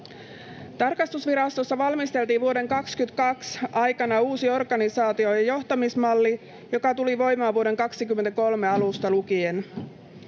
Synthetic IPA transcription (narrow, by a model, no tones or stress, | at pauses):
t̪ɑrkɑst̪usʋiɾɑst̪osːɑʋɑlmist̪elt̪iːʋuo̞ɾe̞ŋkɑkskyt̪kɑksɑjkɑnɑuːsio̞rɡɑnisɑːt̪io̞jɑjo̞ht̪ɑmismɑlːi | jo̞kɑt̪uliʋo̞jmɑːʋuoɾe̞ŋkɑksikymːent̪æko̞lme̞ɑlust̪ɑlukien